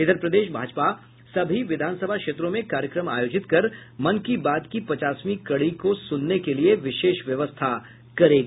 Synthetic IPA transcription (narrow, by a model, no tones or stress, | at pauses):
ɪt̪əɾpɾɐd̪eːʃbʱaːd͡ʒpa | sɐbʱiʋɪd̪ʱaːnsɐbʱakʃeːt̪ɾõmẽkaːɾjəkɾəma̰ːjoːd͡ʒɪt̪kɐɾmɐnkibaːd̪kipɐt͡ʃaːsmikɐɽikosʊnːekelieʋɪʃeːʃʋjɐʋəst̪ʰa | kɐɾeːɡiː